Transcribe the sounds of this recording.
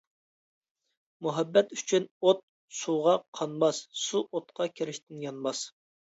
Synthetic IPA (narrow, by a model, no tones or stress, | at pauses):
muɦɛbːɛt̪y̥t͡ʃʰynot̪̚ | suʁɑqʰɑnmɑssuʔot̪̚qʰɑkʲʰeɾɪʃt̪ɪnjɑnmɑs